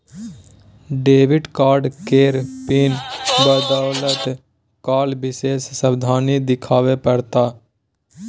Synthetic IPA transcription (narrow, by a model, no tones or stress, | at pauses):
ɖeːʋɪɖkaːɾɖkeːɾpiːnbəd̪aːlət̪ | kaːlbɪseːsːəbd̪ʱaːnid̪ɪkʰaːʋepəɽt̪aː